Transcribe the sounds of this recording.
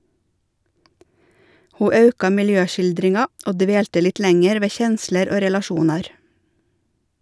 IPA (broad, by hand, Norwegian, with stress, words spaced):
ˈhuː ˈɑʉkɑ mɪlˈjøːˌʃɪldɾɪŋɑ ˈoː ˈdʋeːltə ˈlɪt ˈlɛŋɛɾ ˈʋeː ˈçɛnsləɾ ˈoː ɾɛlɑˈʃuːnɑɾ